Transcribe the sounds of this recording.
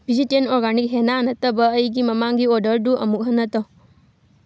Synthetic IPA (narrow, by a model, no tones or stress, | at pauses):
bid͡ʒiʈenɔɾɡanik̚ɦenaːnɐt̪ɐbɐːjɡimɐmaŋɡiɔɖəɾɖuʔɐ̰muk̚ɦɐnɐt̪ɔ